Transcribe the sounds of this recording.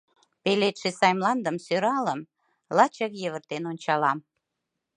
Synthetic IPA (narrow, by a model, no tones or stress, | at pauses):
pelet̪ʃesɑjmlɑnd̪əmsøɾɑləm | lɑt͡ɕəkjəβərt̪enonʲt͡ɕɑlɑm